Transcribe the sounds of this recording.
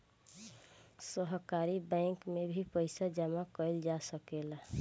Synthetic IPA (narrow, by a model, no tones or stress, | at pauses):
sɔɦkaɾibãɪŋkmebʱipəjsad͡ʒamakɔjld͡ʒasəkela